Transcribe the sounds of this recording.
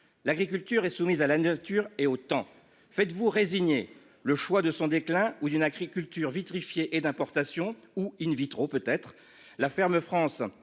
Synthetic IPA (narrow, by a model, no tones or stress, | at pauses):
laɡʁik̬ʲylt̪yʁɛsumizalanat̪yʁeot̪ɑ̃ | fɛt̪vuʁeziɲe | ləʃwad̪əsɔ̃d̪eklɛ̃ud̪ynaɡʁikʲylt̪yʁvit̪χifjeʔed̪ɛ̃pɔʁt̪asjɔ̃uynvit̪χopøt̪ɛt̪χ | lafɛʁməfχɑ̃s